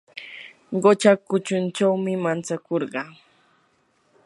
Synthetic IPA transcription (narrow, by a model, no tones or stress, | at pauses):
ɢot͡ʃakʊt͡ʃʊnt͡ʃawmɪmant͡sakoɾɢɑː